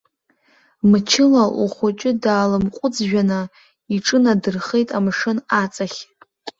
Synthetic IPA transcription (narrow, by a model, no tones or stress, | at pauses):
mt͡ʃʰɪlaʔuχʷʊt͡ʃʼɪdaːlɨmqʷʼʊd͡zʒᶣana | iʈ͡ʂʼɨnadɨrχe̞jtʼamʂɨnat͡sʼaχʲ